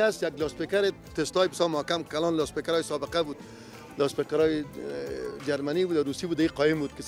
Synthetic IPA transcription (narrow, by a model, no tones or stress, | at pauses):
asjaɡlɔspekaɾe | t̪est̪ɔjbɪsɔmʊkamkalɔːnlɑspekaɾɔjsɔbɪqabud̪ | lɑspekaɾɔje | d͡ʒaɾmanibud̪aɾusibud̪aiqɔjɪmbud̪kɪ